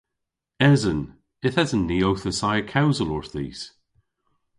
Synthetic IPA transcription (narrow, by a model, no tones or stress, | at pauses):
ɛzən | ɪθɛzənːiːowθəsajəkʰawzəlɔɹθḭːz̥